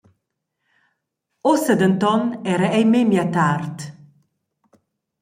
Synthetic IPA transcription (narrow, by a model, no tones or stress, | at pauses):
ɔsəd̪ənt̪ɔnɛɾəɛjmemjat̪art̪